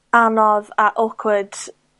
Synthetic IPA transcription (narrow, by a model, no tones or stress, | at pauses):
anɔðaʔɔkʰwəd̥